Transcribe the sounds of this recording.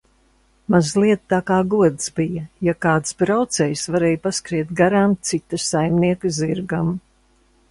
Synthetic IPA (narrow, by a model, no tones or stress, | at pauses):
mazlˠiɛt̪t̪ːaːkaːɡuɔd̪zbijɐjakaːt̪sbɾawt̪sɛjsvaɾɛjpaskɾiɛt̪̚ɡaɾamt̪sit̪ːɐsajmniɛkɨziɾɡam